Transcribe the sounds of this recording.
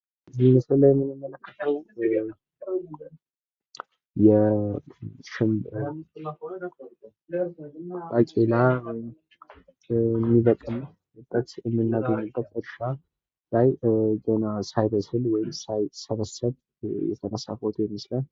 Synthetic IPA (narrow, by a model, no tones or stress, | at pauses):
ɨziməsɨlːjɛmːɨnːɨmːələkːət̪ʰəw | jɛ | ʃɨmb | kʼakʼela | mːiβək̪ʼɨm | ɨb̪ʼətjɛmːɨnːaɡəɲːɨbːət̪əɾʃa | lajɡənasajbəsɨlwɔjɪmsajsəβəsəβ | jɛ̰t̪ʰənəsa̰fot̪ʰʼjɛmːɨslə